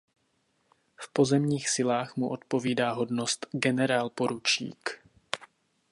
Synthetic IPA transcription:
fpo̞zɛmɲiːxsɪlaːxmuʔo̞t̪po̞viːdaːɦo̞dnost̪ɡɛnɛɾaːlpo̞ɾut͡ʃḭːk

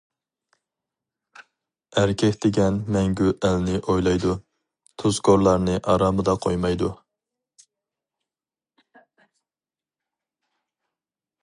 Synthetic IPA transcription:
æɾkʲʰɛkʲd̪ɪɡʲɛnmɛŋɡʲyʔælnɪʔojlˠɑjd̪u | t̪ʰuzkʰoɾlˠɑɾnɨʔɑɾɑːmɨd̪ɑqʰojmɑjd̪u

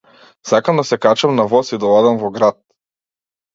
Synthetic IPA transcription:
sakamd̪asɛkat͡ʃamnavɔsid̪alˠad̪amvɔɡɾat̪̚

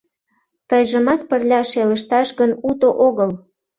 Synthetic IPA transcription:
t̪əjʒə̆mɑt̪̚pərlʲɑʃeləʃt̪ɑʃɣənut̪oʔoɣəl

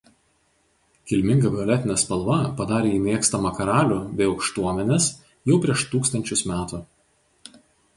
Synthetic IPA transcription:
kʲɪlʲmʲɪŋɡɐʋʲɪɔlʲɛt̪ʲɪnʲɛspɐlˠʋɐpɐd̪ɑːɾʲeːiːmʲeːkst̪ɐmɐkɐɾɑːlʲuːbʲɛɪɒʊkʃt̪uɔmʲɛnʲɛs | jɛʊpʲɾʲiɛʃt̪uːkst̪ɐnʲt͡ʃʲʊsmʲæːt̪u

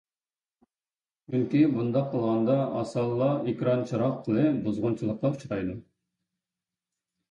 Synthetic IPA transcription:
t͡ʃyŋkʲibund̪ɑqʰːəlˠʁɑnd̪ɑʔɑsɑlˠːɑekʲɾɑnt͡ʃʰɑɾɑqʰːəlˠɨbuzʁʊnt͡ʃʰilˠəqlɑt͡ʃʰi̥t̪ʰɑjd̪u

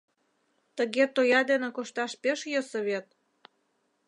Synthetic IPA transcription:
t̪əɣet̪ojɑd̪enĕkoʃt̪ɑʃpeʃjəsəβet̪̚

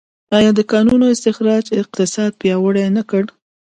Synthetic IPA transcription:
ɑjɑd̪əkɑnunoɪst̪ɪxɾɑd͡ʒɪq̚t̪ɪsɑd̪̚pjɑwəɽajnakəɽ

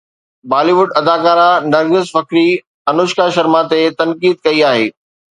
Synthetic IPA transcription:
baːliʋʊɖɐd̪aːkaːɾanɐɾɡɪzfɐkɾi | ɐnʊʃkaʃɐɾmãt̪et̪ɐnkiːd̪̚kɐiaːɦeː

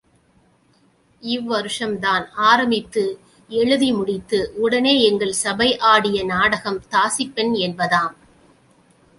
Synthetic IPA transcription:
ɪʋːɐɾɯʂɐmd̪aːnaːɾɐmɪt̪ːɯ | ɛɻɯðimʊɽɪt̪ːɯʔʊɽɐneːɛŋɡɐɭsɐbɐɪʔaːɽɪjɐnaːɽɐɣɐmt̪aːsɪpːɪnɛnbɐðaːm

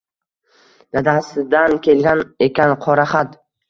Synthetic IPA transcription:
d̪ad̪asɪd̪ankʲʰe̞lɡʲanekʲanqʰɒɾaχat̪

